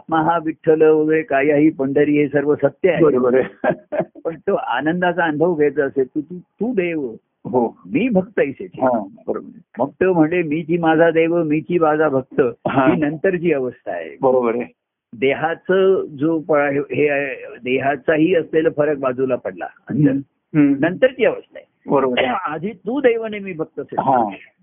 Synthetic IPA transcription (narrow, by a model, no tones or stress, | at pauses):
at̪maɦaʋiʈʰːələʋəɡəɭekaiaɦiːpəɳɖəɾiːɦesəɾʋəsət̪jəaɦebəɾobəɾe | pəɳt̪oʔa̰nənd̪at͡saənbʱəʋɡʱejt͡səːset̪ut̪ut̪uːd̪eʋə | ɦomiːbʱəɡt̪əəjset̪ɦãbəɾmək̚t̪əm̤əɳlemiːt͡ɕiːmad͡zʱad̪eʋəmit͡ɕiːbad͡zʱabʱəɡ̚t̪əɦãɦiːnənt̪əɾt͡ɕiːəʋəst̪ʰa̰ḛbəɾobəɾ | d̪eɦat͡səd͡zopəɭɦeɦed̪eɦat͡saɦiːəsleləfəɾək̚bad͡zʱulapəɽla̰ə̰nd̪əɾ | nənt̪əɾt͡ɕiːəʋəst̪ʰa̰e | bəɾobəad̪ʱiːt̪uːd̪ejʋənemiːbʱək̚t̪əəseɦã